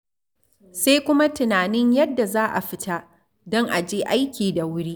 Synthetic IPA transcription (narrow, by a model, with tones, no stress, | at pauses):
se˦kʷʊ˦ma˦tɪ˨naː˨nɪ˦ɲjɐ˦dːa˨zaː˦ʔa̰˨ɸɪ˦ta˦ | dɔ˦ŋʔa˨d͡ʒeː˦ʔa˦jkʲiː˨da˨wʊ˦ɽi˦ʔ